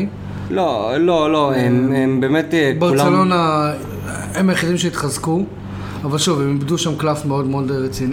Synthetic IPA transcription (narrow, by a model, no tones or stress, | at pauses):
lololoemembeːmet̪baʁult͡selo̞na | emajeχidimʃeit̪χazku | avalʃuvemibduʃamklafmeo̞dmeo̞dʁet͡sini